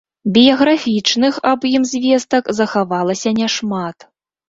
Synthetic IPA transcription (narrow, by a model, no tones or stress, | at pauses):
bʲijɐɣɾafʲit͡ʂnɨxɐbjimzʲvʲɛst̪ɐkzɐxavalˠɐsʲɐnʲɛʂmat̪